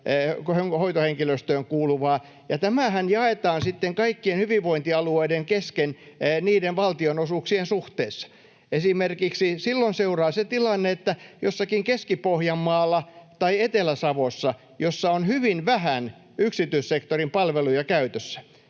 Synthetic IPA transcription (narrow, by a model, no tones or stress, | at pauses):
khøŋhoit̪oheŋkiløst̪øːŋkuːluʋɑː | jɑt̪æmæhænjɑet̪ɑːnsit̪ːeŋkɑikːienhyʋiʋʋoint̪iɑlueideŋkeskenniːdenʋɑlt̪ionosuksiensuht̪eːsːɑ̥ | esimerkiksisilːonseurɑːset̪ilɑnːeet̪ːæjosːɑkiŋkeskipohjɑmːɑːlːɑt̪ɑiet̪elæsɑʋosːɑ | josːɑonhyʋinʋæhæn | yksit̪yissekt̪orimpɑlʋelujɑkæyt̪øsːæ̥